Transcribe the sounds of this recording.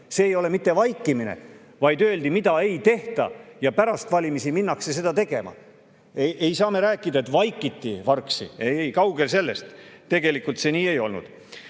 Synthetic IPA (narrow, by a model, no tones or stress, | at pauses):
se̞ːjo̞le̞mit̪ːevɑjkːˑiminḛ | vɑjd̪øe̞ld̪imid̪̥ɑe̞jt̪e̞ht̪ɑ̰jɑpæɾɑst̪vɑlʲimisiminːɑkse̞se̞d̪̥ɑt̪e̞ɡ̥e̞̰mɑ̰ | eʔe̞jsɑːme̞ɾæːkːˑid̪ɑe̞t̪vɑjkːˑit̪ːḭvɑrksḭejjkɑwɡ̥e̞lse̞lːe̞st̪t̪ːe̞ɡ̥e̞likult̪se̞niːejo̞̰lnṵd̪̥